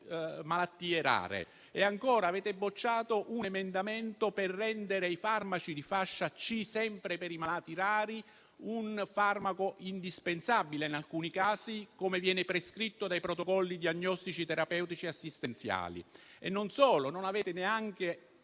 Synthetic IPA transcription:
malat̪ːiːeɾa̰ːɾḛ | eaŋkɔːɾaːvɛːt̪ebːot͡ʃːaːt̪oʔunemend̪ament̪operːɛnd̪eɾeifarmat͡ʃid̪ifaʃːat͡ʃːisɛmpɾepeɾimalaːt̪iɾaːɾi | unfarmakoʔind̪ispensabːileinalkuːnikaːsikomevjɛːnɪpɾeskɾit̪ːod̪ajpɾot̪okɔlːid̪iaɲːɔst̪it͡ʃit̪ɛɾapɛwt̪it͡ʃiasːist̪ent̪sja̰ːlḭḛnːonsɔːlononavɛːt̪ɪneaŋk̟e

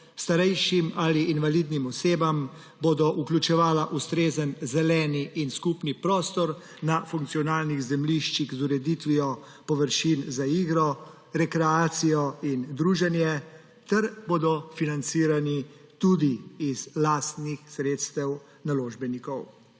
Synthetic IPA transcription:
st̪aɾɛjʃimaliːnʋalid̪nimɔseːbam | boːd̪ɔʔuklʲut͡ʃɛʋaːlaʔust̪ɾeːzənzɛlɛːniʔinskupnipɾɔːst̪ɔɾ | nafuŋk̪̚sijɔnaːlniɣzɛmliʃt͡ʃiɣzuɾɛd̪it̪ʋijɔ | pɔʋəɾʃinzaiːɡɾɔ | ɾɛkɾɛaːt̪sijɔind̪ɾuːʒɛnjɛ | t̪ɛɾboːd̪ɔfinant̪siːɾani | t̪uːd̪iːzlaːst̪nixsɾeːt̪st̪ɛw | naloːʒbɛnikɔw

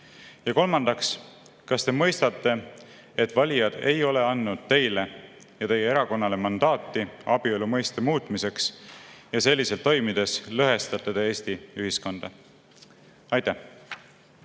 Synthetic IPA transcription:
jɑko̞lmɑnd̪̥ɑks | kɑst̪e̞mɤ̞jst̪ɑt̪ːˑe̞ | et̪ːˑvɑlʲijɑd̪̥e̞̰jo̞le̞ɑnːud̪̥̚t̪e̞jle̞ | jɑt̪e̞jeeɾɑko̞nːɑle̞mɑnd̪̥ɑːt̪ːˑiɑb̥iolumɤjst̪emuːt̪ˑmise̞ksjɑse̞lʲːise̞lt̪ːo̞jmid̪̥e̞slɤɦe̞st̪ɑt̪ːˑe̞t̪eeːst̪iyɦisko̞nd̪̥ɑ | ɑjt̪ːæh

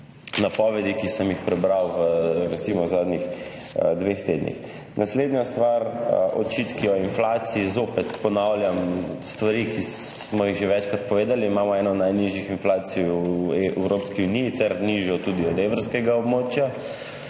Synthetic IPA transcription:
napɔʋɛd̪ikisəmjixpɾɛbɾawʋəɾɛt̪simɔzaːd̪nʲix | d̪ʋext̪ed̪nʲḭx | nʔasleːd̪nɲjast̪ʋaɾʔɔ̰t͡ʃit̪kiɔinflaːt̪siːzopɛt̪pɔnawljamst̪ʋaɾiki | mɔjiɣʒeʋɛt͡ʃkɾat̪̚pɔʋeːd̪aliːmaːmɔɛːnɔd̪najniʒjixinflaːt̪sijuɛwɾopskiunijːt̪ɛɾniʒjɔt̪ud̪iɔd̪eʋəɾskɛɡaɔbmoːt͡ʃja

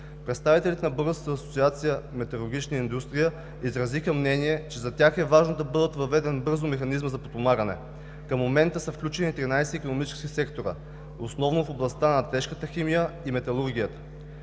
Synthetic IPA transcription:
pɾɛt̪st̪avit̪ɛlʲit̪ɛnɐbɤɾəsk̪t̪əːso̥tsiat̪sijəmɛt̪ɐlˠʊɾɡ̟ʲit͡ʃnəind̪ust̪ɾijə | izɾɐzixəmnɛniɛt͡ʃɛzɐt̪ʲaxɛvaʒnod̪ɐbɤd̪ət̪vɐvɛd̪ɛnbɤɾzʊmɛxɐnizməzɐpot̪omaɡənɛ̰ | kəmːomɛnt̪əsɐfklʲut͡ʃɛnit̪ɾinajsɛikonomit͡ʃɛ̥skʲisɛkt̪oɾə̰ | osnɔvnofoblˠɐst̪anɐt̪ɛʃkət̪əximijəimɛt̪ɐlˠuɾɡʲijət̪ə̥

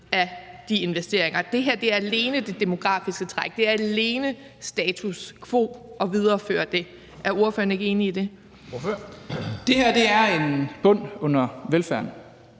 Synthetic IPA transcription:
æd̥ie̝nʋesd̥e̝ɐ̰eŋɐd̥e̝ɦæɐ̰d̥e̝æɐæle̝ːnəd̥e̝d̥e̝mo̝ɡ̥ʁɑ̰̈ːfisɡ̥ət͡sʰʁaɡ̥̚d̥e̝æɐæle̝ːnə | sd̥ɛːt͡sʰuskʰʋo̝̰ːɒ̽ʋið̞ˠɐfø̰ːɐd̥e̝ | ʔæɐo̝ɐføːɐne̝ɡ̥əe̝ːniːd̥e̝ | d̥e̝hæɐ̰d̥e̝æɐe̝nb̥ɔ̽n̰ɔ̽n̰ɐʋelfæɐ̰n

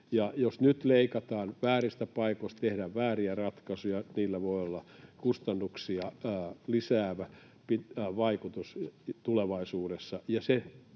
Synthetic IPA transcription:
jɑjosnyt̪leikɑt̪ɑːnʋæːrist̪æpɑikoĭst̪t̪ehdæʋʋæːriærɑt̪kɑsujɑniːlːæʋoiolːɑkust̪ɑnːuksiɑːlisæːʋæ | piʋɑikut̪ust̪uleʋɑisuːɾesːɑjɑse

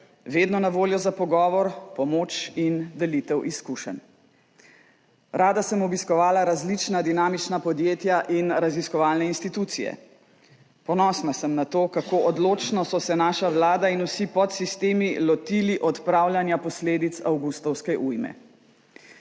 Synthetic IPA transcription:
ʋeːd̪nɔnaʋoːljɔzapɔɡɔːʋɔɾpɔmoːt͡ʃind̪ɛlit̪ɛwʔiskuʃə̰n | ɾaːd̪asəmɔbiskɔʋaːlaɾazlit͡ʃnad̪inaːmit͡ʃnapɔd̪jeːt̪jaʔinɾaziskɔʋaːlnɛinst̪it̪uːt̪sijɛ̰ | pɔnɔsnasəmnat̪oːkakoːʔɔd̪loːt͡ʃnɔsɔsɛnaːʃawlaːd̪ainusipɔt̪sist̪eːmilɔt̪iliʔɔt̪pɾaːwljanjapɔsleːd̪it̪sawɡust̪ɔwskɛʔujmɛ̰

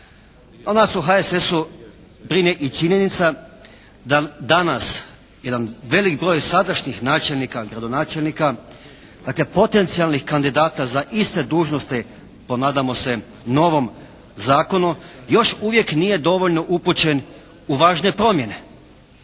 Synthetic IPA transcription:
onasuɦaesesu | bɾineʔit͡ʃiɲe̞nit̪sa | d̪ad̪anas | je̞d̪anʋe̞likbɾo̞ːjsad̪aʃɲixnaːt͡ʃelnikaɡɾad̪o̞naːt͡ʃelnika | d̪̥aklepo̞t̪e̞nt̪sijalˠnixkand̪id̪aːt̪azaʔist̪e̞d̪uːʒno̞st̪i | po̞naːd̪amo̞se̞ | no̞ʋo̞m | zaːko̞nujo̞ʃuʋje̞knije̞d̪o̞ʋo̞ʎno̞ʔuput͡ɕe̞n | uʋaːʒne̞pɾo̞mje̞ne̞

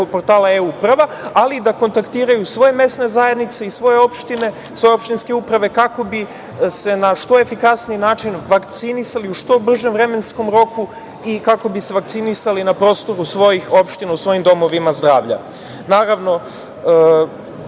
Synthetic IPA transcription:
opo̞ɾt̪aːlaeuprʋaalid̪ako̞nt̪akt̪iːɾajusʋo̞jeme̞sne̞zajed̪nit̪se̞isʋo̞je̞o̞pʃt̪ine̞ | sʋo̞jeo̞pʃt̪inske̞upɾaʋe̞kako̞bi | se̞naʃt̪o̞e̞fikasniinaːt͡ʃinʋakt̪sinisaliuʃt̪o̞br̩ʒe̞mvɾe̞me̞nsko̞mɾo̞kʰu | ikako̞bise̞ʋakt̪sinisalinapɾo̞ːst̪o̞ɾusʋo̞jixo̞pʃt̪inausʋo̞jimd̪o̞mo̞ʋimazd̪ɾaːʋʎa̰ | naːɾaʋno̞

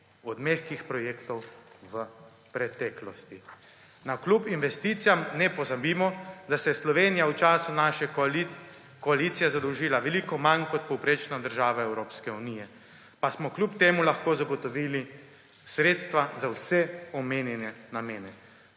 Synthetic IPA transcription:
ɔd̪mexkixpɾɔjeːkt̪ɔw | ʋə | pɾɛt̪ɛːklɔst̪i | naklupinʋɛst̪iːt̪sijamnɛpɔzabiːmɔd̪asɛslɔʋeːnijawt͡ʃaːsunaːʃɛ | kɔalit̪sijɛzad̪ɔwʒiːlaʋɛliːkɔmankɔt̪̚pɔwpɾeːt͡ʃnad̪əɾʒaːʋaɛwɾoːpskɛunijɛ | pasmɔklʲupt̪eːmulaxkoːzaɡɔt̪ɔʋiːli | sɾeːt̪st̪ʋazawsɛɔmeːnjɛnɛnameːnɛ

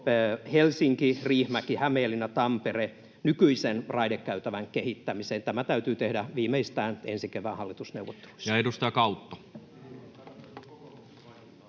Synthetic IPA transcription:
helsiŋkiriːhmækihæmeːlːinæt̪ɑmpere | nykyisenrɑidekːæyt̪æʋæŋkehit̪ːæmiseːnt̪æmæt̪æyt̪yːt̪ehdæʋiːmeist̪æːnensikeʋæːhɑlːit̪usneuʋot̪ːe̥lu̥i̥sjɑedust̪ɑjɑkɑut̪ːo̥

